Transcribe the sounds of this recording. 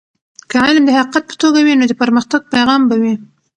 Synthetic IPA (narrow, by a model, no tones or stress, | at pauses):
kəʕalmd̪əhaqqat̪̚pə̥t̪oɡawinod̪əpəɾməxt̪aɡ̚pajɣɑmbawi